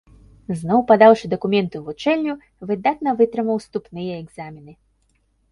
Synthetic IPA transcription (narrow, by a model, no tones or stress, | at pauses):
znɔwpad̪awʂɨd̪ɐkumʲɛnt̪ɨvut͡ʂɛlʲnʲu | vɨd̪at̪̚nɐvɨt̪ɾɨmɐwst̪upnɨjɐɛɡzamʲinɨ